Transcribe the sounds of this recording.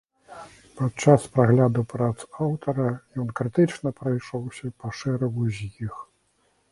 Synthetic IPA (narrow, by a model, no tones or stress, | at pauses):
pat͡ʂːaspɾaɣlʲad̪upɾɐzawt̪ɐɾɐjɔnkɾɨt̪ɨt͡ʂnɐpɾajʂɔwsʲɐpɐʂɛɾɐɣuzʲjix